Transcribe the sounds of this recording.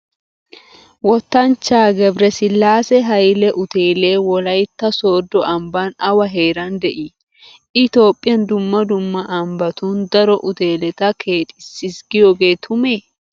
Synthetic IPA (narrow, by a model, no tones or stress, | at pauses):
wɔt̪ːɐnt͡ʃːaːɡɛbɾɛsɪlːaːsɛɦɐjlɛʔʊt̪eːleːwɔlɐjt̪ːɐsoːd̪ɔʔɐmbaːnɐwɐɦeːɾɐnd̪ɛʔi | ɪt̪o̞ːpʼːɪjɐnd̪ʊmːɐd̪ʊmːɐʔɐmbɐt̪und̪ɐɾɔʔʊt̪e̞ːlɛt̪ɐkʰe̞ːt̪ʼɪsːɪsɡɪjoɡeːt̪ʰʊmeː